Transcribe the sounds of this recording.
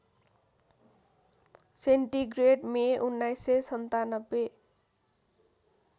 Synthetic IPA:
seɳʈiɡreʈmeʔunːajsesʌnt̪anʌbːe

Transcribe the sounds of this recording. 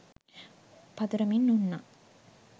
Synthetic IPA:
pɐd̪uɾɐminːunːa

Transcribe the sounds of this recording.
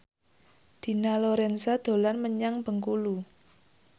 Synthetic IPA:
d̪̥i̤naloɾɛnsad̪̥o̤lanməɲaŋb̥ə̤ŋkulu

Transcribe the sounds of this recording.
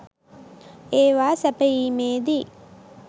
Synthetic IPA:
eːʋaːsɐpɐiːmeːd̪i

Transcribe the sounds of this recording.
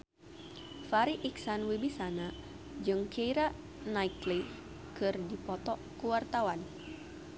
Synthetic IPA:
faɾiʔiksanwibisana | d͡ʒɨŋkeiɾa | najkli | kɨrdipɔt̪ɔkuwart̪awan

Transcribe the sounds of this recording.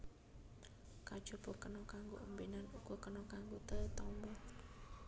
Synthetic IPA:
kad̥d͡ʒ̥o̤b̥o̤kənɔkaŋɡo̰ʔəmbenanuɡ̥okənɔkaŋɡot̪ət̪ɔmbɔ

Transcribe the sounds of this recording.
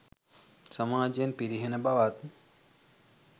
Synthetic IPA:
sɐmaːd͡ʒenpiɾiɦenɐbaʋaːt̪

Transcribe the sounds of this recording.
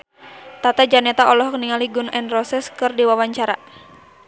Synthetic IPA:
t̪at̪ad͡ʒanɛt̪aʔɔlɔhkniŋaliɡunʔɛnrɔsɛskɨrdiwawaɲt͡ʃaɾa

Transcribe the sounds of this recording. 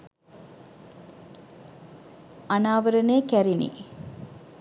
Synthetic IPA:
anaːʋəɾənejkæɾinḭ

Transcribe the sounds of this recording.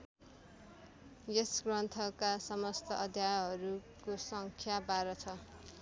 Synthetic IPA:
jesɡrʌnt̪ʰʌkasʌmʌst̪ʌʔʌd̪ʱjaɦʌɾukosʌŋkʰjabaɾʌt͡sʰʌ

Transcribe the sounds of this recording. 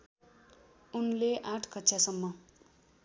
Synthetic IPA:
unleʔaʈʰkʌtːsʰasʌmːʌ

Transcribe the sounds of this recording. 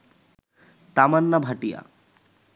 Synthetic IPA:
t̪amanːɐbʱɐʈija̰

